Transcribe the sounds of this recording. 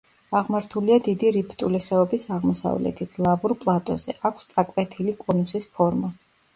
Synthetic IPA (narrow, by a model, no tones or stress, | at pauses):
aʁmaɾt̪ʰuliad̪id̪iɾipʰt̪ʼuliχɛɔbisaʁmɔsa̰vlɛ̰t̪ʰit̪ʰlˠavuɾpʼlˠat̪ʼɔz̥ɛ̰ʔakʰst̪sʼakʼwɛt̪ʰilikʼɔnusispʰɔɾma